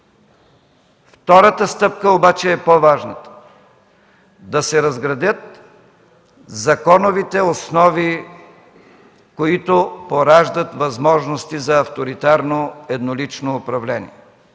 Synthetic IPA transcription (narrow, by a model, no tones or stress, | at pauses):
ft̪ɔɾət̪əst̪ɤp̚kəobat͡ʃɛːpovaʒnət̪ə̥ | d̪ɐsɛɾɐzɡɾɐd̪ʲət̪̚ | zɐkɔnovit̪ɛosnɔvi | koit̪opoɾaʒd̪ət̪vɐzmɔʒnost̪izɐːft̪oɾit̪aɾnoɛd̪nolit͡ʃnoːpɾɐvlɛnḭɛ